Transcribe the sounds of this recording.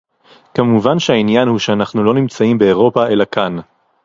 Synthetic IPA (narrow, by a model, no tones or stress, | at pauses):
kamuvanʃeainjanhuʃeanaχnulo̞nimt͡saimbe̞ːʁo̞pae̞lakʰan